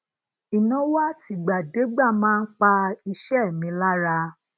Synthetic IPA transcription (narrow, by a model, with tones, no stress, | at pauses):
i˨nã˨˦wa˦ti˧ɡ͡ba˨de˨˦ɡ͡ba˦˨mãː˦n̩˦k͡pa˧i˧ʃɛ˦˨mĩ˨˧la˦ɾa˧